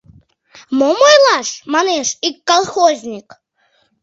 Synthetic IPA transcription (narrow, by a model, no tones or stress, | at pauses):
mɔmɔjlˠaʂmanɛʂikːalˠxɔzʲnʲik